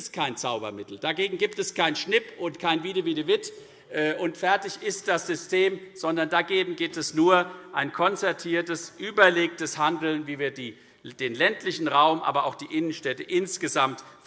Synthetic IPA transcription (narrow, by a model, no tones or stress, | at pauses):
skʰaɪnt͡saʊbɐmɪtl̩d̥aɡeːɡŋ̩ɡiːp̚tɛskʰaɪnʃnɪpʔʊntkʰaɪnviːdəviːdəvɪt | ʔɛːʔʊntfɛɐtɪçɪst̚d̥asz̥ʏstʰeːmz̥ɔndɐndaɡeːɡŋ̩ɡiːp̚tɛsnuːɐʔaɪnkʰɔnt͡sɛɐtʰiːɐtəsʔyːbɐleːk̚təshandl̩nviːviːɐdiː | d̥eːnlɛntʰlɪçn̩ʁaʊmʔa̰ːbɐʔa̰ʊxd̥iːʔɪnənʃtɛtəʔɪnsɡ̥əzamtf